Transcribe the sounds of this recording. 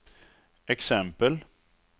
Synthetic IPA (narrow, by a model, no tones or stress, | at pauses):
ɛksɛmpəl